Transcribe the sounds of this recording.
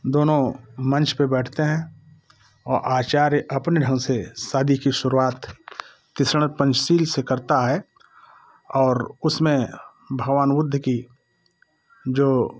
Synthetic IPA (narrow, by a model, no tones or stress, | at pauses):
d̪oːnõmɐ̃nt͡ʃpebɛːʈʰt̪eɦɛ̃ | ɔːɾʔaːt͡ʃaːɾjəʔɐpneɖʱə̃ŋsesaːd̪ʱikiʃʊɾuaːt̪ː | ɪsɾɽ̃əɾpə̃nt͡ʃsiːlsekɐɾt̪aɦɛ | ɔːɾʊsmẽ | bʱəɡʋaːnʋʊd̪ʱːki | d͡ʒoː